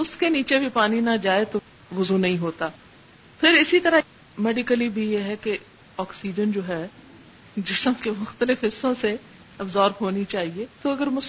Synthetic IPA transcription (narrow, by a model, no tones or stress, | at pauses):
ʊskeniːt͡ʃebʱipaːninɐd͡ʒaːet̪o | ʋʊzunɐɦĩɦoːt̪aː | pʰɪɾɪsit̪ɐɾa | mɛːɖɪkəlibʱijeɦɛke | ɔːksiːd͡ʒənd͡ʒoːɦɛː | d͡ʒɪsəmkemʊxt̪əlɪfɦɪsːõse | ɐbzɔːɾbɦoːnit͡ʃaːɦiet̪oɐɡəɾmʊs